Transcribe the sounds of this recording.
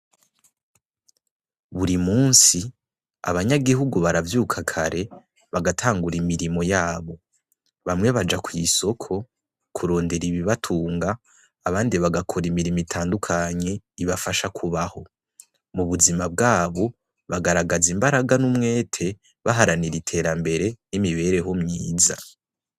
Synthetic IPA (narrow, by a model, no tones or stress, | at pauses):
βuɾimuːnsi | a̰βaɲaɡiɦuɡuβaɾavjuːkʰakʰaɾe̞ | βaɡatʰaːŋɡuɾimiɾimo̞jaːβo̞ | βamŋe̞βad͡ʒakwiso̞kʰo̞ | kʰuɾo̞ːnde̞ɾiβiβatʰuːŋɡaː | βaːndiβaɡakʰoɾimiɾimitʰaːndukʰaɲe̞iβafaʃakʰuβaho̞ | muβuzimab̚ɡaːβo̞ | βaɡaɾaɡazimbaɾaɡanumŋe̞ːtʰe̞ | βaɦaɾaniɾitʰe̞ːɾambe̞ɾe̞nimiβe̞ːɾe̞ɦomɲiːza